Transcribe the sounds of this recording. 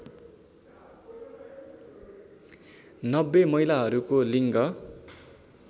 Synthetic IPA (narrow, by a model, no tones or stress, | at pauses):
nʌbːemʌjlaɦʌɾukoliŋɡʌ